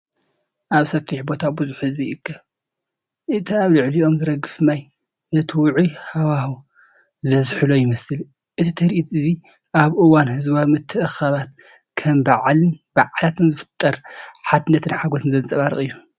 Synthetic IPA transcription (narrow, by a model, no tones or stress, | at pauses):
ʔaβsɐfiħbo̞t̪ʰabɨzuħhɨzbiɨkʰːɐ | ʔɨt̪ʰiaβlɨʕlio̞mzɨɾɐɡːɨfmaj | nɐt̪ʰɨwʊʕuhawahu | zɐzħɨlojɪmɐsɨl | ʔɨt̪ʰit̪ʰɨɾiʔit̪ɨzi | ʔaβʔɨwanhɨzβaβmɨt̪ʰːɨʔɨxaβat̪̚ | kʰɐmbaʕlɨnb̥aʕalat̪ʰɨnzɨfɨ̥t̪ʼːɐɾħad̪ɨnːɐt̪ʰɨnħaɡosɨnzɐnt͡sʼɐβaɾɨ̰χʼɨjːu